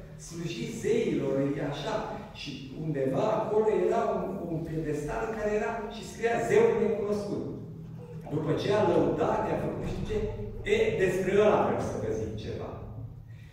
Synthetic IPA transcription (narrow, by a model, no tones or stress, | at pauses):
sluʒit̪ze̞ilo̞raʃaʃi | und̪e̞vaːko̞lo̞je̞ɾaununfild̪e̞st̪alɨŋkaɾe̞jeɾaʃiskɾijaze̞ulne̞kuno̞skut̪ | d̪upət͡ʃe̞aləut̪at̪eafəkuʃiit͡ʃeed̪e̞spɾeəla̰vɾemsəɡəzimt͡ʃe̞̰va̰